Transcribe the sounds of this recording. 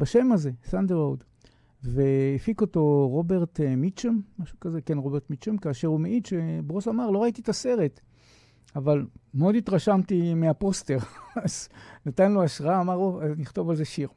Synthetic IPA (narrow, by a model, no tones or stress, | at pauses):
baʃe̞maze̞sand̪eʁowd̪ | veifiko̞to̞ʁo̞be̞ʁt̪mit͡ʃemmaʃu̥kazekenʁo̞beʁt̪mit͡ʃemkaːʃe̞ʁumeʔidʃebʁosamaʁlo̞ʁaititaseʁe̞t | avalmeod̪it̪ʁaʃamt̪imeapo̞ste̞ʁaznat̪anloaʃʁaaːmaʁoazniχt̪o̞valzeʃiʁ